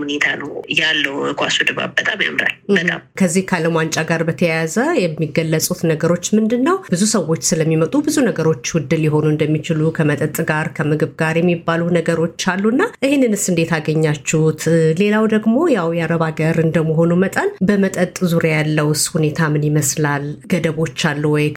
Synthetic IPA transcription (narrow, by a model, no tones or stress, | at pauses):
hunet̪ʰanəwjalːəwɨkʰʷʼasud̪əβa̰bːət̪ʼabə̰mɾa̰lbət̪ʼa̰mkʰəzːihkʰaləmant͡ʃʼaɡaɾbət̪ʰəjazəjɛmːiɡəlːəsʼut̪nəɡəɾo̞t͡ʃːmɨnd̪ɨnːəwb̥ɨzusəwːo̞t͡ʃːsɨləmːimət̪ʼubɨzunəɡəɾo̞t͡ʃːwʊd̪ːɨljɪɦo̞nuɨnd̪əmːit͡ʃɪlukʰəmət̪ʼət̪ʼɡaɾkʰəmɨɡɨβɡaɾjɛmːibːalunəɡəɾo̞t͡ʃːalːunːaʔɨhenːɨnɨsɨnd̪e̞t̪ʰaɡəɲːat͡ʃːuht̪le̞lawd̪əɡmo̞jawjaɾəβaɡəɾɨnd̪əmːəɦo̞numət̪ʼənbəmət̪ʼət̪ʼzuɾjajalːəwshune̞t̪ʰamɨnjɪməslalɡ̥əd̪əβo̞t͡ʃːalːuwɔj